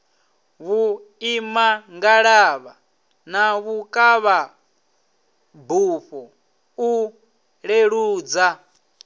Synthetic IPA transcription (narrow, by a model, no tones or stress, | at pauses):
βu | imaŋɡaɺaβa | naβukʼaβa | buɸɔ | u | ɺeɺuːd͡za